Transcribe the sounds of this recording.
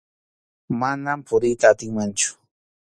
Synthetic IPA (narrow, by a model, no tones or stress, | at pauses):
manampʰʊɾɪjt̪aːt̪ɪŋmant͡ʃʊ̥